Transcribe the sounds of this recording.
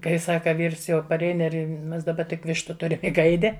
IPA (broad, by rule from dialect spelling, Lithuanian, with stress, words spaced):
kɐɪ ˈsɑːkɐ ˈʋʲiːrs jɛʊ pɐˈrʲɛɪn ˈɪr ˈmʲɛs dɐˈbɐ tʲɪk ˈʋʲɪʃtʊ ˈtʊrʲɪm ɪ ˈɡɐɪdʲɪ